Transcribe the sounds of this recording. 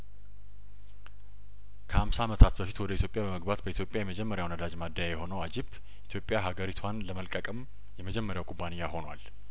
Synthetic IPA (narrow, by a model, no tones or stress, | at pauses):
kʰəhamsaːmət̪ʰat̪bəfit̪wɔd̪əit̪ʰjo̞pʼjabəməɡbat̪bəit̪jo̞pʼjajɛməd͡ʒɛmːəɾjawnəd̪ad͡ʒmad̪ːajajɛho̞nəwad͡ʒib | ʔit̪ʰjo̞pʼjaɦaɡəɾit̪ʰwanləməlkʼəkʼəm | jɛməd͡ʒɛmːəɾjawkʼubːanɪjːaho̞nwal